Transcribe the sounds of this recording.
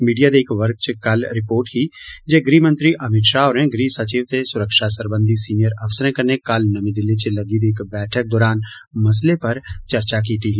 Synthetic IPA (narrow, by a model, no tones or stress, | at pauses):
miːɖijad̪eːkʋəɾk̚t͡ʃkɐlɾɪpoːɾʈkid͡ʒeɡɾiːmə̃nt̪ɾiʔɐmɪt̪ʃaɔːɾẽɡɾiːsɐt͡ʃiːʋt̪esʊɾəkʃasəɾbə̃nd̪ʱisiːnijəɾɐʋsəɾẽkɐɾnekɐlnɐmĩd̪ɪlːit͡ʃelɐɡid̪eːkbɛːʈʰək̚d̪ɔːɾaːn | mɐs̬lepɐɾt͡ʃɐɾt͡ʃak̬iːt̪iɦɛː